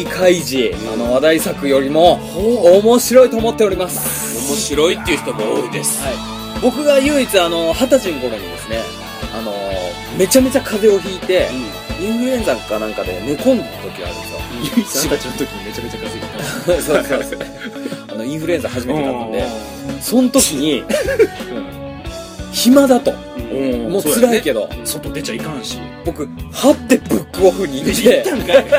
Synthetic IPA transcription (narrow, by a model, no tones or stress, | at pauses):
ikʰaiʑi | ano̞βad̪aisakɯ̟jo̞ɾʲimo̞ | omo̞ɕiɾo̞it̪oːmo̞t̪ːe̞o̞ɾʲimasɨ̥ | omo̞ɕiɾo̞it̪ːeiɯ̟çi̥t̪o̞ɡaoːid̪e̞sɨ̥hai | bo̞kɯ̟ɡajɯ̟ːit͡sɨano̞hat̪aʑĩŋko̞ɾoɲ̟id̪e̞sɨne̞ | ano̞ | me̞t͡ɕame̞t͡ɕakʰaze̞o̞çiːt̪e̞ | ĩɰ̃ɸɯ̟ɾẽ̞nzakanãŋkad̪e̞nokõ̞nd̪at̪o̞kʲia̰ɾɯ̟̃sjo̰ikat͡ɕinot̪okʲiɲime̞t͡ɕame̞t͡ɕakazet̪esososo | ano̞ĩɰ̃ɸɯɾɯẽ̞zahaʑimeeatd̪e | sõ̞not̪o̞kʲiɲ̟ĩ | çimad̪at̪o̞̰ | moːsɨɾaike̞d̪o̞̰sot̪ːod̪et͡ɕaikãɰ̃ɕi | bo̞kɯ̟hat̪ːe̞bɯ̟kːɯoɸɯ̟ɲ̟ieãk